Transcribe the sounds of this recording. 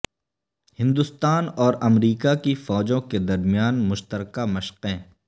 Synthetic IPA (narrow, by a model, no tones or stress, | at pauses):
hɪ̃nd̪ʊst̪aːnɔːɾɐmɾiːkakifɔːd͡ʒõked̪ɐɾmijaːnmʊʃt̪əɾkamɐʃqɛ̃ː